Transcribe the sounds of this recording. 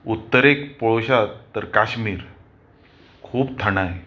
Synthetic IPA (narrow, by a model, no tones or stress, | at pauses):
ut̪ːəɾekpɔɭoɕat̪əɾkaɕmiːɾ | kʰuːb̚t̪ʰəɽ̃aj